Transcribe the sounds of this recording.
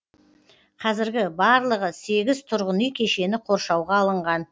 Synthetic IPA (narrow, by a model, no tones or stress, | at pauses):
qʰɑzɪɾɡʲɪbɑɾlˠəʁəse̞ɡʲɪzt̪ʰʊɾʁənijkʲʰe̞ʃe̞nɪqʰo̞ɾʃɑwʁɑːlˠəɴʁɑn